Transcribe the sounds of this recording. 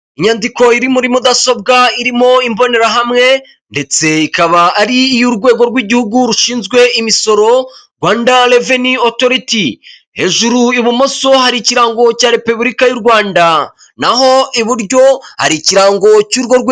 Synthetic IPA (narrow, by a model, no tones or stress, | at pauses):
iɲandiko̞iɾimuɾimud̪aso̞b̚ɡaiɾimo̞imbo̞ne̞ɾaɦamŋe̞ | nde̞t͡se̞ikaβaːɾiːjuɾɡwe̞ːɡo̞ɾɡwiːɟihuɡuɾuʃiːnzɡwe̞imiso̞ɾo̞ɾɡwaːndale̞venioto̞ɾiti | he̞ʒuɾuiβumo̞so̞haɾiciɾaːŋɡo̞caːɾe̞puβɾikajuɾɡwaːnda | naɦo̞ʔiβuɾɟo̞ha̰ɾiciɾaːŋɡo̞cuːɾɡo̞ɾɡw